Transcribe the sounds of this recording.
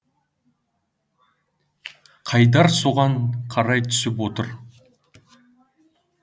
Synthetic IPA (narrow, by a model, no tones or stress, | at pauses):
qʰɑjd̪ɑɾso̞ʁɑɴqʰɑɾɑjt̪ʰʏ̥sɪpwo̞t̪əɾ